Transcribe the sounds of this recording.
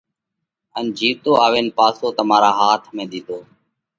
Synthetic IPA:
ənd͡ʒʱiːt̪oːaːʋeːnpaːsoːt̪əmaːɾaːɦaːt̪ʰmẽːɗ̪iːt̪oː

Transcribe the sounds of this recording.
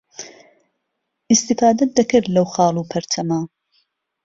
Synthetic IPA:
ʔɪst̪ifaːd̪ɐt̪̚d̪ɐkɨɾlɐwxɑːlˠuːpʰɐɾt̪ʰɐmaː

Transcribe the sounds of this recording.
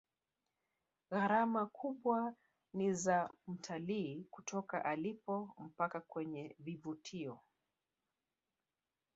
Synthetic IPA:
ɣaɾamakʰuɓwa | nizam̩tʰaliːkutʰɔka̰ʔalipɔm̩pakakwɛɲɛvivutʰiɔ

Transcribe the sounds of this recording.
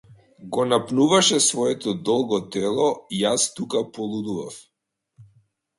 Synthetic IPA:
ɡɔnapnuvaʃɛsvɔɛt̪ɔd̪ɔlˠɡɔt̪ɛlˠɔijast̪ukapɔlˠud̪uvaf

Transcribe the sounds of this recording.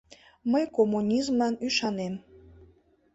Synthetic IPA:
məjkomːunʲizmlɑnyʃɑnem

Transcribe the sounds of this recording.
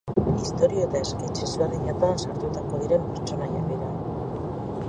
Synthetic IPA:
ist̪o̞ɾiot̪asket͡ʃezβerðiɲak̪oansaɾt̪ut̪ako̞ðiɾe̞mpeɾt͡ʃo̞najakeɾa

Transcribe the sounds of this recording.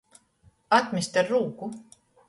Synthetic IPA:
ɑt̪mist̪erːuːku

